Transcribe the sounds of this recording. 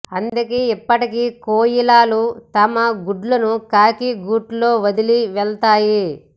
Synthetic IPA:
ɐnd̪ukeːipːɐʈikikoːjilaːlut̪ɐmɐɡuɖlɐnukaːkiɡuːʈlo̞ːʋɐd̪iliʋɛɭt̪aːji

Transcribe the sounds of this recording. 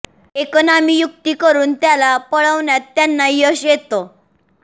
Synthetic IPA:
ekonamiːjuk̚t̪iːkəɾuːnt̪jalapəɭəʋɳjat̪ːjanːajəɕjet̪o

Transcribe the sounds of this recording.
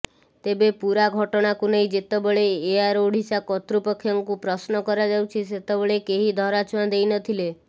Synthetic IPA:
t̪ebepuɾaɡʱɔʈɔɽ̃akunej̃d͡ʒet̪ɔbɔɭeːaɾoɽ̤ʱisakɔt̪ɾupɔkʰːjɔŋkupɾɔsnɔkɔɾad͡ʒawt͡ʃʰiset̪ɔbɔɭekeɦid̪ʱɔɾat͡ʃuwãd̪ejnɔt̪ʰile

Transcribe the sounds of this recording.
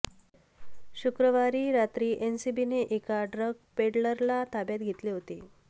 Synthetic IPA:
ɕukɾəʋaɾiːɾat̪ɾiːʔensibineʔekaɖɾəɡ̚peɖləɾlat̪ʰabjat̪ɡʱet̪liːɦot̪ḭː

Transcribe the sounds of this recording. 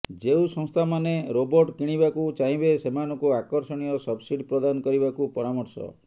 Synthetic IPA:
d͡ʒeusɔ̃ŋst̪ʰamaneɾobɔɾʈkiɽ̃ibakut͡ʃaɦĩbesemanɔŋkuakɔɾsɔɽ̃ijɔsɔbsiɖʱipɾɔd̪anɔkɔɾibakupɔɾamɔɾsɔ̰

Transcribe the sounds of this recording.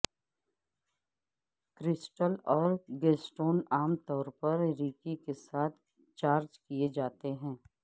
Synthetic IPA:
kɾɪsʈəlɔːɾɡeːsʈoːnaːmt̪ɔːɾpɐɾɾiːkikesaːt̪ʰ | t͡ʃaːɾd͡ʒkied͡ʒaːt̪eɦɛ̃ː

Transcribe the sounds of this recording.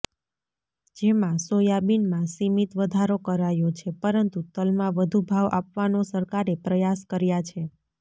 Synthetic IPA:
d͡ʒemãsojabinmãsimit̪ʋəd̪ʱaɾokəɾajot͡ʃʰepəɾənt̪ut̪əlmãʋəd̪ʱubʱaʋʔapʋanosəɾkaɾepɾəjaskəɾjat͡ʃʰe

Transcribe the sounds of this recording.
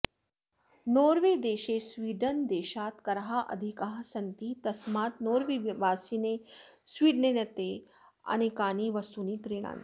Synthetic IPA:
noːɾʋed̪eːɕesʋiːɖənd̪eːʃaːt̪kɐɾɦaʔɐ̰d̪ʱikaɦsɐnt̪it̪ɐsmaːt̪̚noːɾʋiʋaːsinesʋiːɖnenɐt̪e | a̰ñikaːniːʋɐst̪uniːkɾiɽ̃a̰n

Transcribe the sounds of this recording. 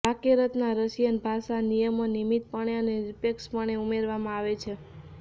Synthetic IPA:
bakeɾət̪naɾəsijənbʱasanijəmonimit̪̚pəɳjaneɾipekspəɳ̃eumeɾʋamãaʋet͡ʃʰe

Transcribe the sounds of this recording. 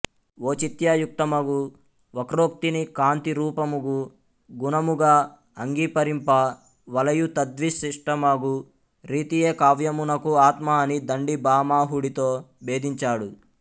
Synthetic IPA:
o̞ːt͡ʃit̪jaːjuk̚t̪ɐmɐɡu | ʋɐkɾoːk̚t̪inikaːnt̪iɾuːpɐmuɡu | ɡunɐmuɡaː | ɐŋɡiːpɐɾimpɐ | ʋɐlɐjut̪ɐd̪ʋisiʂʈɐmɐɡu | ɾiːt̪ijeːkaːʋjɐmunɐkuaːt̪maɐnid̪ɐɳɖibaːmaːɦuɽit̪oːbe̞ːd̪iɲt͡ʃaːɽu

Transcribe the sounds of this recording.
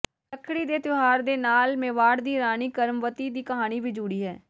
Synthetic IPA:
əkʰːɽiːd̪eːt̪ʊɦaːɾd̪eːnaːlmeːʋaːɽd̪iːɾaːniːkəɾmʋət̪iːd̪iːkəɦaːñiːʋiːd͡ʒuːɽiːɦɛː

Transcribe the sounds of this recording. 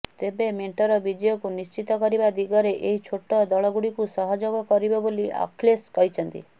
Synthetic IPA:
t̪ebemeɳʈɔɾɔbid͡ʒɔjɔkunist͡ʃit̪ɔkɔɾibad̪iɡɔɾeʔeɦit͡ʃʰoʈːɔd̪ɔɭɔɡuɽikusɔɦɔd͡ʒɔɡɔkɔɾibɔboliʔa̰kʰleskɔit͡ʃʰɔnt̪ḭ

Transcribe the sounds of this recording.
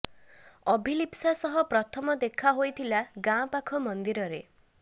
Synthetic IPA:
ɔbʱilipsasɔɦɔpɾɔt̪ʰɔmɔd̪ekʰaɦojt̪ʰilaɡãpakʰɔmɔnd̪iɾɔɾe

